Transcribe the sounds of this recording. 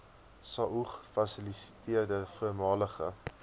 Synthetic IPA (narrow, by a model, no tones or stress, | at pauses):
sɑːʔuχfɐsilisi̥tiərdəfuəmɑːləχə̰